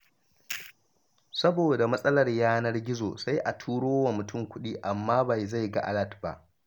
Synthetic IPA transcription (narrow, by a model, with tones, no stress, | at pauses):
sɐ˦boː˨da˨mɐ˦sʼɐ˦lɐ˨rjaː˦nɐ˦rɡʲɪ˦zo̰ː˨sa˦jʔa˨tʰuː˦ɽoː˦wɐ˨mʊ˨tʊ˦˨mkʷʊ˦ɗiː˦ʔa˨mːaː˦ba˨jza˦˨jɡa̰˦ʔa̰˦lɐ˦˨tba̰˨ʔ